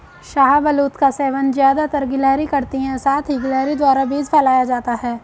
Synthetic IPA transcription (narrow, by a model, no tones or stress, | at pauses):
ʃaːɦabɐluːt̪kaseːʋənzjaːd̪at̪ɐɾɡɪlɛːɾikɐɾt̪iɦɛ̃saːt̪ʰɦiɡɪlɛːɾid̪waːɾabiːd͡ʒpʰɛlaːjad͡ʒaːt̪aɦɛː